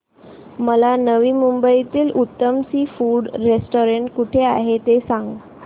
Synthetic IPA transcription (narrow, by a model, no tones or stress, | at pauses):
məlanəʋiːmumbəit̪iːlʔut̪ːəmsiːfuːɽɾesʈoɾeɳʈkuʈʰeaɦet̪esãŋɡ